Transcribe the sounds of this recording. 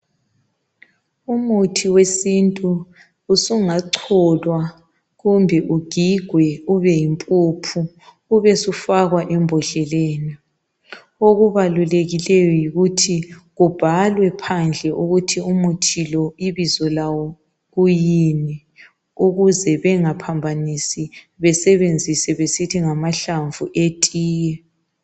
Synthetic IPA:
umutʰiwesintʼuː | suŋaǀʰɔlwa | ɣumbʱɛʔuɡ̥ʱiɡ̥ʱwɛuβɛjimpʼupʰuː | βɛsufaɣwaʔɛmbʱɔɬɛleːni | oɣuβaluleɣilɛjɔjiɣutʰiɣub̥ʱalwɛpʰand͡ɮʱɛʔuɣutʰiumutʰilɔiβizɔlawɔ | ɣujinɛ | uɣuzɛβɛŋapʰambʱanisi | βɛsɛβend͡zʱisɛβesitʰiŋamaɬaɱvuʔetʼiːjɛ

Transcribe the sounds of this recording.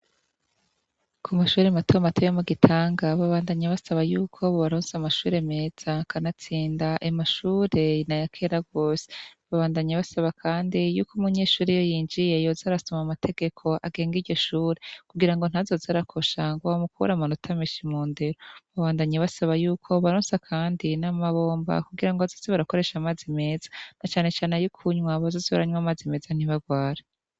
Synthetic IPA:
kʰumaʃuːɾematomatʰojomuɡitʰaːŋɡaβaβaːndaɲaβasaβajuːkʰo̞βoβaɾozamaʃuːɾe̞me̞ːz̥akanat͡siːndaʔimaʃuːɾe̞najakʰeːɾaɡo̞ːse̥βaβaːndaɲaβasaβakʰaːndijuːkumuɲe̞ːʃuːɾijo̞jiːnd͡ʒije̞jo̞zaɾasomamatʰe̞ɡ̥e̞kʰo̞ʔaɡe̞ːŋɡiɟo̞ʃuːɾekuɡiɾaŋɡo̞n̥azo̞zaɾakʰo̞ʃaŋɡoamukuṵɾamanutʰameʃimuːnde̞ɾoβaβaːndaɲeβasaβajuːkʰo̞βaɾoːnsakʰaːndinamaβo̞ːmba̰kuɡiɾaŋɡoazoːzeβaɾako̞ɾe̞ʃamazime̞ːzḁnat͡ʃaːne̞t͡ʃaːne̞jukʰuɲwaβazo̞ːzeβa̰ɾaɲwamaːzime̞ːzan̥iβaɡwaːɾa

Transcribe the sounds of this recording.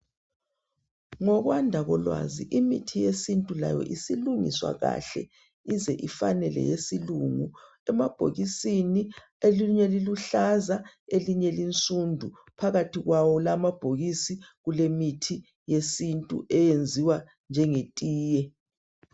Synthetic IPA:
ŋɔɣwandʱaɣɔlwa̰zḭʔimitʰijesintʼula̰jɔ̰ʔisiluŋḭswa̰ɣa̰ɬɛ̰ | izɛʔifa̰nɛlɛ̰jesiluŋu | ɛmab̥ʱo̰ɣisini | eluɲɛliluɬazaeliɲɛlint͡sʼundʱu | pʰaɣatʰiɣwawɔlamab̥ʱoɣisiɣulemitʰi | jesintʼṵʔɛjend͡zʱiwa | nd͡ʒʱɛŋetʼiːjɛ

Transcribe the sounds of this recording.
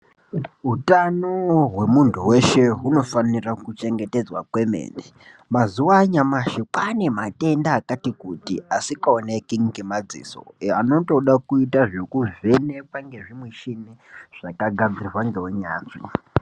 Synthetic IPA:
ɦutanoɦwe̞muntʰuwe̞ʃe̞ɦuno̞fanirakut͡ʃe̞ŋɡe̞te̞d͡zwakwe̞mḛːnde | mazuwaɲamaʃikane̞mate̞ndaːkatikutḭasikaonekiŋɡimad͡zḭːso̞̰ano̞to̞ɗakuitaʐekuvenepaŋɡe̞ʐimweʃineʐ̥akaɡʱad͡zirirwaŋɡe̞weɲaːt͡ʂi

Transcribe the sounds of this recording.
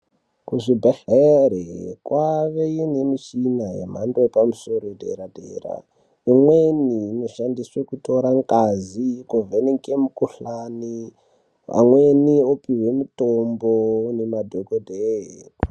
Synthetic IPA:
kuʐibʱaheɾḛkwaʋeinemit͡ʃinaɦḛm̤andoepamusoɾodʱḛɾadʱḛːra̰ | imweninoʃandiswekuto̞ɾaŋkʼazikoveneŋkemukuɬaːni | a̰mweniopiɦwe̞mutombonemadʱokodʱeɦe

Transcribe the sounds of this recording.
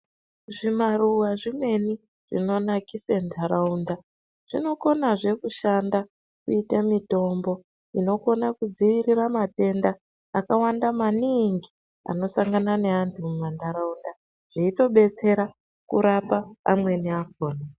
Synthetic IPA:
ʐimaruwaʐimwe̞ni | ʐ̥ḭno̞nakisendʰʱaɾaunda | ʐ̥ino̞ko̞naʐe̞kuʃanda | kuitamito̞mbo̞ | ino̞ko̞nakud͡ziʋiriramate̞ndaː | kawandamaniŋɡi | a̰no̞saŋɡanane̞antumumandaɾaunda | ʐ̥eito̞ɓe̞t͡se̞ɾa | kuɾapa̰ːmwe̞niak̚oːna

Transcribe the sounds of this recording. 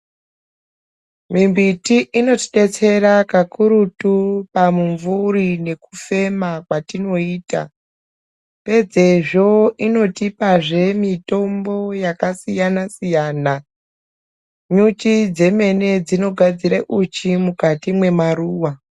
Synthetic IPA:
mimbitiʔino̞tiɗe̞t͡se̞ɾakakuɾutupamuɱvurine̞ku̥fe̞makwatino̞iːta̰ | pe̞d͡ze̞ʐo̞ino̞tipaʐe̞mito̞mbo̞jakasijanasijaːna | ɲut͡ʃid͡ze̞me̞ne̞d͡zino̞ɡʱad͡ziɾaʔut͡ʃimukatimwe̞maɾuːwa

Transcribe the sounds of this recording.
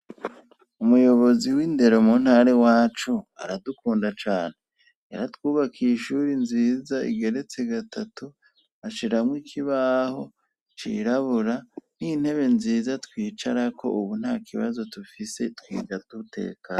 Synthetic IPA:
umujo̞βo̞ziwinde̞ɾo̞mun̥haɾe̞waːt͡ʃuaɾadukuːndat͡ʃaːn̥he | eɾatwuːβakʰiːʃuːɾinziːzaḭɡe̞ɾe̞t͡se̞ɡatatu | aʃiɾamwiːkʰiβaːho̞ | t͡ʃḭɾaβuɾan̥in̥he̞βe̞nziːzatkwiːt͡ʃaɾakʰo̞̰ʔuβun̥hakʰiβazo̞tufise̞twḭːd͡ʒatuutḛːkaː

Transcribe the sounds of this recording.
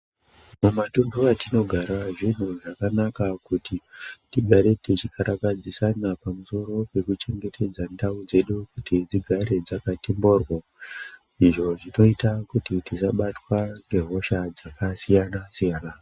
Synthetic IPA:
mumatunbuatino̞ɡʱaɾaʐin̤uʐakanakakutitiɡʱaɾe̞tit͡ʃikaɾakad͡zisanapamuso̞ɾo̞pe̞kut͡ʃe̞ŋɡe̞tʰe̞d͡zandaud͡ze̞ɗukutid͡ziɡʱaɾe̞d͡zakatimbo̞rwa | iʐo̞ʐino̞itakutitisaɓatwaŋɡe̞ɦo̞ʃad͡zakasijanasijaːna

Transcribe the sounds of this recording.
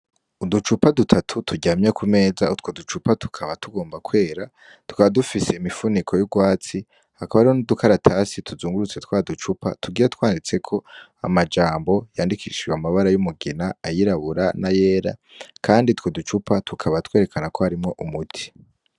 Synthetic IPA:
udut͡ʃupadutʰatʰutʰuɟaːmɲekʰume̞ːzautwo̞dut͡ʃupatu̥kʰaβatuɡo̞ːmbakwe̞ːɾa | tu̥kaβadufise̞imifunikʰo̞juɡwaːt͡si | hakaβaɾionudukʰaɾatʰasitʰuzuːŋɡuɾut͡se̞tkwaːdut͡ʃupʰa̰tuɡiːɾatwaːndit͡se̞kʰo̞a̰mad͡ʒaːmbo̞jaːndikiːʃɡweamaβaɾajumuɡinaːjiɾaβuɾanaje̞ːɾa̰ | kʰaːndit̪wo̞dut͡ʃupatʰukʰaβatwe̞ːɾe̞kʰanako̞haɾimŋo̞ʔumutʰi̥

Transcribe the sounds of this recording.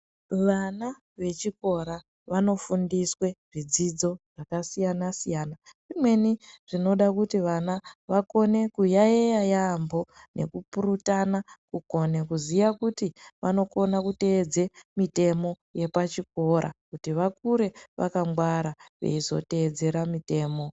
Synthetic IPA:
ʋana | ʋe̞t͡ʃiko̞ɾa | ʋano̞fundiswe̞ʐid͡zid͡zo̞ʐ̥akasijanasijaːnaʐimwe̞niʐ̥ino̞ɗakutiʋanaʋako̞ne̞kujaejajambo̞ | nʔe̞̰kupuɾutanakuko̞nekuzijakutiʋano̞ko̞nakute̞ːd͡ze̞mite̞mo̞ | je̞pat͡ʃiko̞ɾa̰kutiʋak̚uɾe̞ʋʔa̰kamɡwaɾaʋḛizo̞̰te̞ːd͡ze̞ɾamite̞ːmo̞

